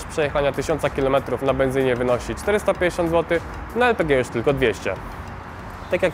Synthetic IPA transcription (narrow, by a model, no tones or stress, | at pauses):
ʂpʂɛjɛxaɲat̪ɘɕɔntsakʲilɔmɛt̪ɾufnabɛnzɘɲɛvɘnɔɕit͡ʂt̪ɛɾɘst̪apʲjẽɲd͡ʑeɕɔnd̪zwɔt̪ɘ | naɛlpɛɡʲɛjuʂt̪ɘlkɔd̪vʲjeɕt͡ɕɛ̰ | t̪akʲjak